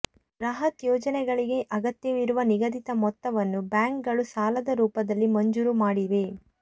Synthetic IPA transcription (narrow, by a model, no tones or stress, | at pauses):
ɾɐɦɐt̪jɔːd͡ʒɐnɛɡɐɭiɡe̞ʔɐɡɐt̪jɐʋiɾuʋɐniɡɐd̪it̪ɐmɔt̪ːɐʋɐnːubjaːŋkɡɐɭusaːlɐd̪ɐɾuːpɐd̪ɐlːimɐɲd͡ʒuɾumaːɽiʋe̞